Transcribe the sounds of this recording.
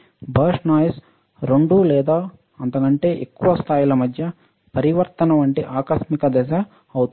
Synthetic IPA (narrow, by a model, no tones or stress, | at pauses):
bɐʂnaːjs | ɾeɳɖulɛːd̪aː | ɐnt̪ɐkɐɳʈe̞ːʔekːuʋɐst̪ʰaːjilɐmɐd̪ʱjɐ | pɐɾiʋɐɾt̪ɐnɐʋɐɳʈiʔaːkɐsmikɐd̪ɛʃɐ | ɐwut̪u